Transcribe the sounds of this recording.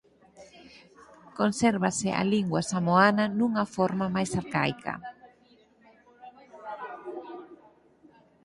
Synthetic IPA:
konsɛɾβasɪʔa̰liŋɡwasamoananũŋafɔɾmamajsaɾka̰jkʰa̰

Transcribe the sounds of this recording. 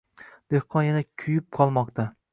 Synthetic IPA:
d̪̥ehqʰɒnjanakʲʰʊjɪp̚qʰɒlˠmɒqt̪ʰa

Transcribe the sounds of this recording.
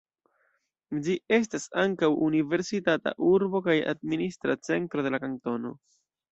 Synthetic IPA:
d͡ʒie̞s̬tasaŋkawʔunive̞ɾsitata̰ʔuɾbo̞kaja̰d̚ministɾat͡se̞ntɾo̞de̞lakaŋto̞no̞̰

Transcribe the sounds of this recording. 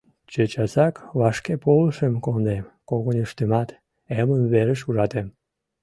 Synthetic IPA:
t͡ɕet͡ɕɑsɑkβɑʃkepoləʃəmkond̪ekoɣoniʃt̪ymɑt̪ | emənβeɾəʃuʒɑt̪em

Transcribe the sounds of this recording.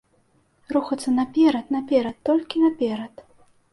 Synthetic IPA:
ruxɐt̪sːɐnɐpʲɛɾɐt̪nɐpʲɛɾɐt̪ːɔlʲkʲinɐpʲɛɾɐt̪

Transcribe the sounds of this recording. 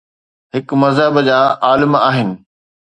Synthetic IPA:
ɦɪkmɐzɦəbd͡ʑaːʔaːlɪmaːɦɪnɪ̆

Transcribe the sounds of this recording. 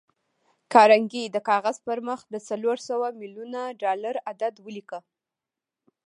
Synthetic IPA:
kɑɾaŋɡid̪əkɑɣaz̥pəɾməxd̪ət͡saloɾsawamiljunaɖɑlaɾad̪ad̪wəlikə

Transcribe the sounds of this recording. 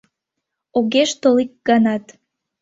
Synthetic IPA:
oɣeʃt̪olik̚ɡɑnɑt̪

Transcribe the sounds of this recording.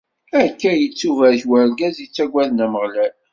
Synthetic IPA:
ækːæjət͡sːuvæɾçwæɾɡæzjət͡sːæɡʷæðnæməʁlæl

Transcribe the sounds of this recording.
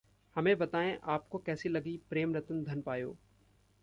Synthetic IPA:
hɐmẽbɐt̪aːẽʔaːpkokɛːsilɐɡipɾeːmɾɐt̪ənd̪ʱɐnpaːjo̰ː

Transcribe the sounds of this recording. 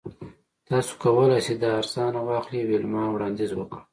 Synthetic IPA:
t̪ɑso̥kawəlajsid̪aːɾsɑnawɑxliwilmɑwɽɑnd̪izwəkə

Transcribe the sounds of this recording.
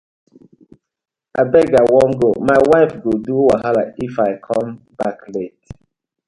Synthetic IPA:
abɛɡawɔ̃ŋɡomawaɪfɡoduwaɦalaifaɪkʰɔ̃m | baklet

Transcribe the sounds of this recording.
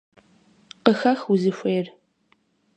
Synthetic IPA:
qəxɐxwuzɨɕʷeːr

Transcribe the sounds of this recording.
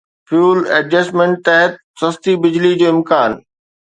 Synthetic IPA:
fjuːlɐd͡ʑəːsmẽːɳʈ̚t̪ɛɦət̪̚sɐst̪ibɪd͡ʑlid͡ʑoːɪ̃mkaːn

